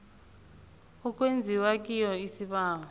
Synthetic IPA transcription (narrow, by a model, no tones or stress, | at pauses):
uk̬ʼwend͡zʱiwak̬ʼijɔisiɓaːŋ